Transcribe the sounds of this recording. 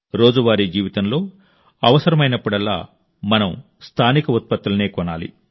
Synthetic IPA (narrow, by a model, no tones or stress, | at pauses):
ɾo̞ːd͡ʒuʋaːɾid͡ʒiːʋit̪ɐmlo̞ː | ɐʋɐsɐɾɐmɐjnɐpːuɽɐlːa̰ː | mɐnɐm | st̪ʰaːnikɐut̪̚pɐt̪ːulɐneːkɔnaːlḭ